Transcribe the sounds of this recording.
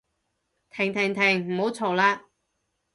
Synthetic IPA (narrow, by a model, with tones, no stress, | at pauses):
t̪ʰɪ˨˩ŋt̪ʰɪ˨˩ŋt̪ʰɪ˨˩ŋm̩˨˩ho˨˥wt͡sʰo˨˩wlaː˧